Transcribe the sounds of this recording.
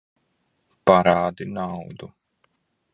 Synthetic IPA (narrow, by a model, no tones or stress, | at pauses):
paɾaːd̪inawd̪u